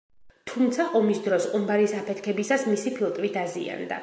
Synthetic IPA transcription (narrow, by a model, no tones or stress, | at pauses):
t̪ʰumt̪sʰaʔɔmisd̪ɾɔsqʼumbaɾisapʰɛt̪ʰkʰɛbisasmisipʰilˠt̪ʼvid̪azḭa̰nd̪a̰